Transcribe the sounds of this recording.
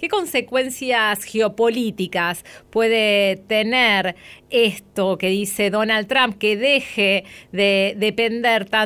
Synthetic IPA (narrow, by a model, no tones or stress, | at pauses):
keko̞nsekwe̞nsjasxeopo̞lit̪ikaspwe̞ðet̪eneɾest̪oke̞ðiseðonalt̪ːɾamp̚keðexeðeðepend̪eɾt̪a